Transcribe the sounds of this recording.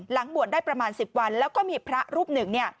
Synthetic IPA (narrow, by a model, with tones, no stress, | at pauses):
la˩˦ŋbu˨˩ət̚daː˥˩jpɾa˧maː˧nsi˨˩p̚wa˧nlɛː˦˥wkɔː˥˩miː˧pʰɾa˦˥ɾuː˥˩p̚nɯ˨˩ŋni˥˩ɐ